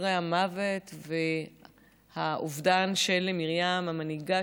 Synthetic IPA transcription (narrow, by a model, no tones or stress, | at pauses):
ʁeamave̞tve̞ | haʔuvdanʃelemiʁjamamaniɡa